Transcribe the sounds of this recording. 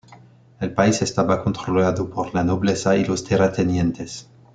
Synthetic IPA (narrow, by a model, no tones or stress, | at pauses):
elpaisest̪aβakont̪ɾolaðopoɾlanoβlesailost̪eɾat̪enjẽnt̪es